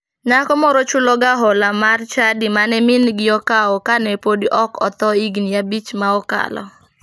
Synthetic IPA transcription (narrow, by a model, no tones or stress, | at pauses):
nakɔmɔɾɔt͡ʃʊlɔɡaɦɔlamart͡ʃadɪmanɛmɪnɡɪɔkaɔkanɛpodiʔɔkɔt̪ɔiɡnijabit͡ʃmaɔka̰lɔ̰